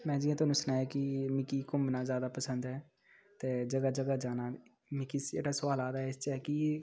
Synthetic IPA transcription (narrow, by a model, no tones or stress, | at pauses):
mɛ̃ːd͡ʒiãːt̪ʊaːnũːsʊnaːjaːkɪmɪkiːkʊmnaːzjaːd̪aːpəsənd̪ɦɛː | t̪eːd͡ʒəɡaːd͡ʒəɡaːd͡ʒaːnaː | mɪkiːsd͡ʒḛːɽaːsʊʋaːlaːd̪aːɦɛɪst͡ʃɛːki